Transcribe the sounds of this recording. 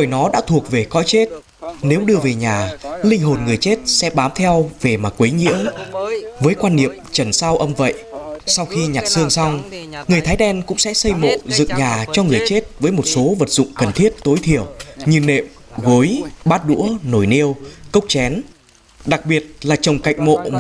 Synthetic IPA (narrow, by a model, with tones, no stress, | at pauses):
ɗo˨˧˩jnɔ˨˦ɗa̰ː˧˥t̪ʰu˨˩ək̚ve˨˩kɔ̰˧˥jt͡ɕe˦˥t̚ | ne˨˦wɗɨ˧əve˨˩ɲaː˨˩lï˧ŋ̟ɦo˨˩nŋɨ˨˩əjt͡ɕe˦˥t̚sɛ̰˧˥ɓaː˨˦mt̪ʰɛ˧wve˨˩maː˨˩kwe˨˦jŋḭ˧˥əw | vəː˨˦jkwaː˧nːḭ˧˨əmt͡ɕə˧˩nsaː˧wʔə˧mvə̰˧˨jʔsa˧wxi˧ɲa˨˩t̚sɨ˧əŋsa˧wŋ͡mŋɨ˨˩əjt̪ʰaː˨˦jɗɛ˧nkʊ̰˧˥ŋ͡msɛ̰˧˥sə˧jmo̰˧˨zɨ̰˧˨ŋɲaː˨˩t͡ɕɔ˧ŋɨ˨˩əjt͡ɕe˦˥t̚vəː˨˦jmo˨˩t̚so˨˦və˨˩t̚zʊ̰˧˨ŋ͡mkə˨˩nt̪ʰi˦˥ət̚t̪o˨˦jt̪ʰi˧˩əwɲɨ˧˩nḛ˧˨m | ɣo˨˦jɓaː˦˥t̚ɗṵ˧˥əno˧˩jni˧əwkə˦˥wk͡p̚t͡ɕɛ˨˦n | ɗa˨˩k̚ɓi˨˩ət̚laː˨˩t͡ɕə˨˩wŋ͡mka̰˧˨jŋ̟mo̰˧˨